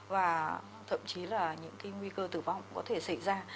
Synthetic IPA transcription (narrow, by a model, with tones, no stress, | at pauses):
vaː˨˩ | t̪ʰə̰˧˨mt͡ɕi˨˦laː˨˩ɲɨ̰˧˥ŋka˨˦jŋwi˧kəː˧t̪ɨ˧˩va˧˨wŋ͡mkɔ˨˦t̪ʰe˧˩sa̰˧˩˨jzaː˧